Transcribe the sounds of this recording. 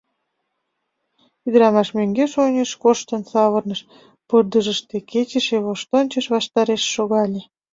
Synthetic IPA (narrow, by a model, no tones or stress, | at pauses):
id̪əɾɑmɑʃmøŋɡeʃonʲəʃkoʃt̪ənsɑβərnəʃ | pərd̪əʒəʃt̪eket͡ɕəʃeβoʃt̪onʲt͡ɕəʃβɑʃt̪ɑɾeʃːoɣɑlʲe